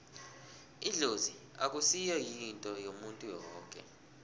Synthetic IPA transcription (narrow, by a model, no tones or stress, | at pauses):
iɮozi | ak̬ʼusijɔjintʼɔjomuntʼujɔːŋkʼɛ̰